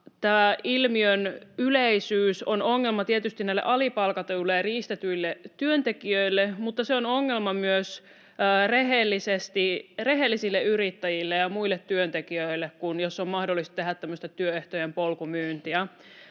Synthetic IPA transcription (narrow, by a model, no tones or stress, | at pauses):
t̪æːilmiønyleisyːsonoŋːelmɑt̪iet̪yst̪inæilːḛʔɑlipɑlkɑt̪eulːejriːst̪et̪yilːeyønt̪ekiøilːemut̪ːɑseonoŋːelmɑmyøsː | reɦelːisest̪ireɦelːisilːeyrit̪ːæjilːejɑmuilːet̪tyønt̪ekiøilːekkunjosːommɑhdolːist̪t̪eɦæt̪t̪ːæmːøst̪et̪yøeht̪ojempolkumyːnt̪iæ